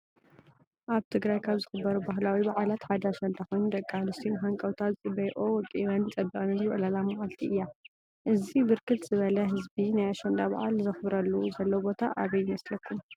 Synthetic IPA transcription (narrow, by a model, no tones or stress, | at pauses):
ʔaβt̪ʰɨɡɾajkʰaβzɨxɨbːɐɾubahlawibaʕalat̪ħad̪ɐaʃɐnd̪axojnud̪ɐkʼːamnɨst̪ʰixaŋkʼɐwt̪ʰat̪ɨt͡sʼɨbɐjʔʼowɔk̪ʼiwant͡sʼɐbːikʼnɐzβʔlalamaʕalt̪ʰiɨjːa | ʔɨzibɨɾkʰɨt̪z̥ɨβɐlɐɦɨzbinajaʃɐnd̪aba̰ʕa̰lzɨxɨbɾɐlːuzɐlːɐwbo̞t̪ʰa̰ʔa̰βɐjːɪmɐslɐkʰːum